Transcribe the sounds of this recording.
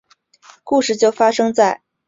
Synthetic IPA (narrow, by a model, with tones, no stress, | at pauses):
ku˥˧ʂɻ̩˥˩t͡ɕjo˥˩ʊfa˥ʂɤ˥ŋt͡sa˥˩ɪ